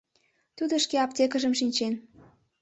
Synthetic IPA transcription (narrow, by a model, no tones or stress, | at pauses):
t̪ud̪ŏʃkeɑp̚t̪ʲekəʒə̆mʃinʲt͡ɕen